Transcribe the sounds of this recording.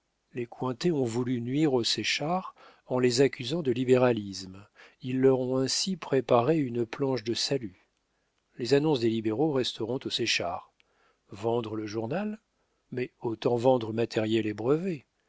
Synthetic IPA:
lekwɛ̃t̪eɔ̃vulynɥiʁosɛʃaʁ | ɑ̃lezakʲyzɑ̃d̪əlibeʁalismilːœʁɔ̃ɛ̃sipχepaʁeynplɑ̃ʃd̪əsaly | lezanɔ̃sd̪elibeʁoʁɛst̪ʰəʁɔ̃t̪osɛʃa̰ʁ | vɑ̃d̪ʁələʒuʁnal | mɛot̪ɑ̃vɑ̃d̪ʁəmat̪ʰɛʁjɛlebʁəve

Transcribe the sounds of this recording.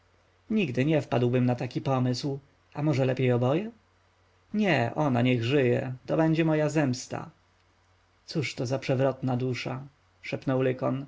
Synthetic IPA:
ɲiɡd̪ɘɲɛfpad̪wbɘmnat̪akʲipɔmɘsw | amɔʐɛlɛpʲjejɔbɔjɛ | ɲɛʔɔnaɲɛɣʐɘjɛ̰t̪ɔbɛɲd͡ʑɛmɔjazɛmst̪a̰ | t̪suʂt̪ɔzapʂɛvɾɔt̪nad̪uʂa | ʂɛpnɔwlɘkɔn

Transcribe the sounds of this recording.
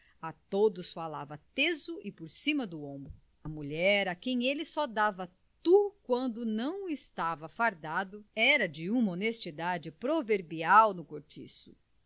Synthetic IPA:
ɐt̪od̪ʊsfalavɐt̪ezʊʔɪpoɾsĩmɐd̪ʊõmbɾʊ | ɐmuʎɛɾɐkẽj̃elɪsɔd̪avɐ | t̪ukwɐ̃nd̪ʊnɐ̃w̃ɪst̪avɐfaɾd̪ad̪ʊɛɾɐd͡ʒɪũmɐonest͡ʃid̪ad͡ʒɪpɾoveɾbiawnʊkoɾt͡ʃḭsʊ̥

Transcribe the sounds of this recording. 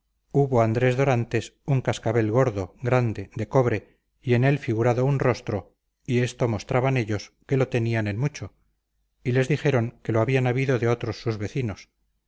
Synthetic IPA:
uβo̞and̪ɾe̞zðo̞ɾant̪e̞suŋkaskaβe̞lɣo̞ɾðo̞ɣɾand̪e̞d̪e̞ko̞βɾe̞ | ie̞ne̞lfiɣuɾaðo̞unro̞st̪ɾo̞ | ie̞st̪o̞mo̞st̪ɾaβane̞ʎo̞s | ke̞lo̞t̪e̞niane̞nmut͡ʃo̞ | ile̞zðixe̞ɾo̞ŋke̞loaβianaβiðo̞ðeo̞t̪ɾosːuzβe̞θinos

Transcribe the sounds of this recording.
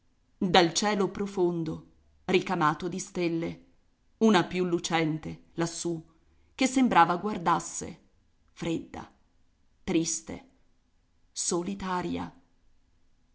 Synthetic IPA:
d̪alt͡ʃɛːlopɾofond̪o | rikamaːt̪od̪ist̪elːe | unapjulːut͡ʃɛnt̪elasːu | k̟esːembɾaːvaɡward̪asːḛ | fɾed̪ːa̰ | t̪ɾist̪ḛ | solit̪aːɾja̰

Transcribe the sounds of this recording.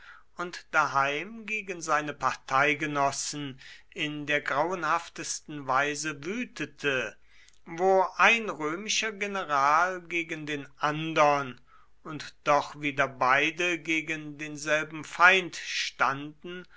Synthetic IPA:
ʔʊntd̥aɦaɪmɡeːɡənzaɪnəpaʁtʰaɪɡənɔsn̩ | ɪndeːɐɡʁaʊənhaftəstn̩vaɪzəvyːtʰətʰə | voːʔaɪnʁøːmɪʃɐɡenəʁaːlɡeːɡəndeːnʔandɐn | ʊntd̥ɔχviːdɐbaɪdəɡeːɡəndeːnzɛlbm̩faɪntʃtandn̩

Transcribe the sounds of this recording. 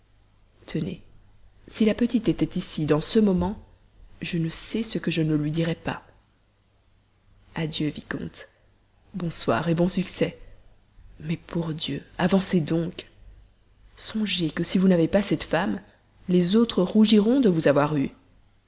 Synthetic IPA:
t̪ʰənḛ | silapət̪it̪et̪ɛt̪isid̪ɑ̃səmɔmɑ̃ | ʒənəsɛsəkəʒənəlɥid̪iʁɛpa̰ | ad̪jøvikɔ̰̃t̪ | bɔ̃swa̰ːʁebɔ̃syksɛ | mɛpuʁd̪jøavɑ̃sed̪ɔ̃k | sɔ̃ʒekəsivunavepasɛt̪fam | lezot̪χəʁuʒiʁɔ̃d̪əvuzavwaʁy

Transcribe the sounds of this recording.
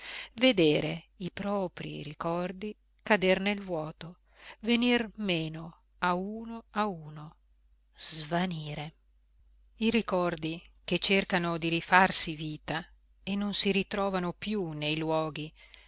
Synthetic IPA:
ved̪eːɾe | ipɾɔːpɾḭɾikɔrd̪i | kad̪ernelvwɔːt̪o | venirmeːno | auːnoauːno | z̥vaniːɾe | iɾikɔrd̪iket͡ʃːerkanod̪iɾifarsiviːt̪a | enːonsiɾit̪ɾɔːvanopjunejlwɔːɡi

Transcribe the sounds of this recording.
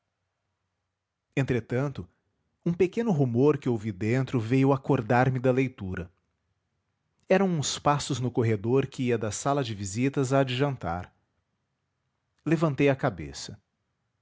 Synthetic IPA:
ẽnt̪ɾet̪ɐ̃nt̪ʊ | ũpekẽnʊɦumoɾkɪowvid̪ẽnt̪ɾʊvejʊakoɾd̪aɾmɪd̪ɐlejt̪uɾɐ | ɛɾɐ̃w̃ũspasʊznʊkoɦed̪oɾkɪiɐd̪ɐsalɐd͡ʒɪvizit̪ɐzaːd͡ʒiʒɐ̃nt̪a̰ɾ | levɐ̃nt̪ejɐkabḛsɐ

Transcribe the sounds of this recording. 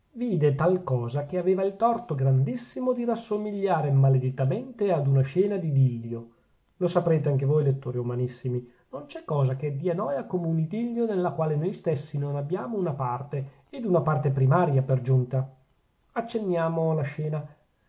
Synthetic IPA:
viːd̪et̪alkɔːzak̟eaveːvailt̪ɔrt̪oɡɾand̪isːimod̪irasːomiʎːaːɾemaled̪it̪ːament̪ead̪unaʃɛːnad̪id̪ilːjo | losapɾeːt̪̬eaŋk̟evoːjlet̪ːoːɾiumanisːimi | nont͡ʃɛkːɔːzaked̪ːiːanɔːjakoːmeunid̪ilːjonelːakwaːlenojst̪esːinonabːjaːmounapart̪eː | d̪unapart̪epɾimaːɾjaperd͡ʒunt̪a | at͡ʃːenːjaːmoalaʃɛːna

